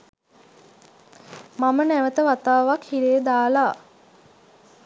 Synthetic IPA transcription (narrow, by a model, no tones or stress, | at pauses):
mamənæʋət̪əʋat̪aːʋakhiɾejəd̪aːla